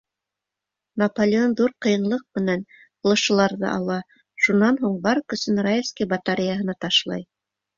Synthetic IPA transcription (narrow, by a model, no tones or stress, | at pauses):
nɐpolʲɪonðuɾqɤ̆jɤ̆nlˠɤq̚mɘ̆næn | ŏlˠɤ̆ʃɤ̆lˠɑɾðɤ̰ʔɑlˠɑ | ʃunɑnɦuɴbɑɾɤkɵ̆sɵnrajefskijbɑt̪aɾʲɪjaɦɤ̆nɑt̪ɑʃlˠɑ̰j